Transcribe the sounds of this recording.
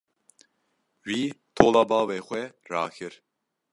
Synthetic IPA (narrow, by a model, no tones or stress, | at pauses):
wiːt̪ʰoːlɑːbɑːweːxʷɛɾa̰ːkʰɨɾ